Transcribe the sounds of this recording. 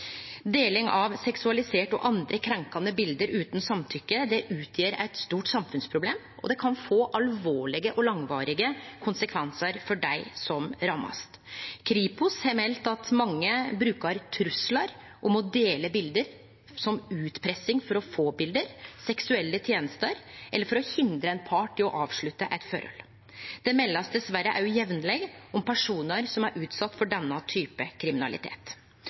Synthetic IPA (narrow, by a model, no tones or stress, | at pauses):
d̪eːlɪŋɑʋsɛksʉɑlɪseːʈɔ̰ʔɑnd̪ɾəkʰɾɛŋkɑnəbɪld̪əɾʉːt̪nsɑmt̪ʰʏkːəd̪ɛʔʉːt̪ʰjeːɾæ̰ɪt̪st̪uːʈsɑmfʉnspʰɾʊbleːm | ʔɔ̰d̪ɛkʰɑnfoːʔɑlʋoːɭɪɡəʔɔlɑŋʋɑːɾɪɡəkʰʊnsəkʰʋɛnsəɾfɔɖæɪsɔmɾɑmːɑ̰st̪kʰɾiːpʊshɛmɛlt̪ɑt̪mɑŋːəbɾʉːkəɾt̪ʰɾʉslɑɾ | ʔɔmɔd̪eːləbɪld̪əɾ | sɔmʉːt̪pʰɾɛsɪŋfɔɾɔfoːbɪld̪əɾsɛksʉɛlːət̪ʰjeːnəst̪əɾʔɛlːəɾfɔɾɔhɪnd̪ɾəɛnpʰɑːʈɪlɔʔɑːʋʂɭʉt̪ːəʔɛt̪fø̰ɾɔ̰l | d̪̥ɛmɛlːɑsd̪ɛsʋæɾəʔɑʉjɛʋnlɛɡɔmpʰæʂuːnəɾsɔmæɾʔʉːt̪sɑt̪ːfɔɖɛnːɑt̪ʰyːpəkʰɾɪmɪnɑ̰lɪ̰t̪ʰḛːt̪